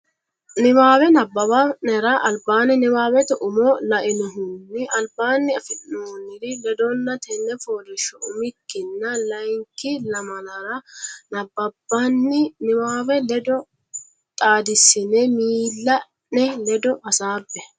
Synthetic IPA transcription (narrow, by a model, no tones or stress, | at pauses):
nɪwaːwɛnɐbːɐbanɛɾɐʔɐlbaːnɪnɪwaːwɛt̪ɛʔʊmɔlɐʔɪnɔɦʊnːɪɐlbaːnːɪɐfɪʔnoːnːɪd̪ɪlɛd̪ɔnːɐt̪ʰɛnːɛfoːlɪʃɔʊmɪkːɪnːɐlɐjŋkːɪlɐmɐnɐɾɐnɐbːɐbːanːɪnɪwaːwɛlɛd̪ɔ | t̪ʼaːd̪ɪsɪnɛmiːlːɐ | nɛlɛd̪ɔʔɐsaːbːɛ